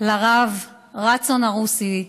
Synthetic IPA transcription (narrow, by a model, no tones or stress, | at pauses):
laʁav | ʁat͡sonaʁusi